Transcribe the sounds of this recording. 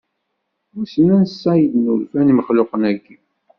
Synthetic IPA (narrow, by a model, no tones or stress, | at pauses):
wusənænsːæjəd̪nulfæniməχlʊqənæɡːi